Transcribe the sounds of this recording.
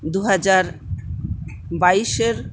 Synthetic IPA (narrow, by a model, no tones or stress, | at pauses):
d̪uɦad͡ʑaɾ | baiʃeɾ